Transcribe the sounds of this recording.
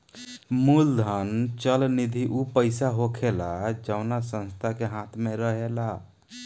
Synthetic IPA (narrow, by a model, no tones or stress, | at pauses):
muld̪ʱənt͡ʃəlnid̪ʱiʔupəɪsaɦokʰelad͡ʒəʊnasə̃nst̪ʰakeɦãt̪ʰmeɾəɦela